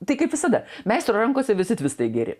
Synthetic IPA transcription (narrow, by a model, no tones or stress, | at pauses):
t̪ɐɪkɐɪpʋʲɪsɐd̪ɐmʲɛɪst̪ɾoɾɐŋkoːsʲɛʋʲɪsʲɪt̪ʲʋʲɪst̪ɐɪɡʲɛɾʲɪ̰